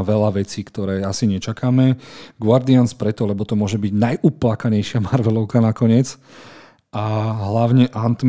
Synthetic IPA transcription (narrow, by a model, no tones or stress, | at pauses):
ʋɛlaʋɛt͡siːkt̪ɔɾɛːasiɲɛt͡ʃakaːmɛɡʊaɾd̪ianspɾɛt̪ɔlɛbɔt̪ɔmʊɔʒɛbiɟnajʔuplakaɲɛjʃɪamaɾʋɛlɔʊkanakɔɲɪɛt͡s | ʔaɦlaʊɲɛʔant̪m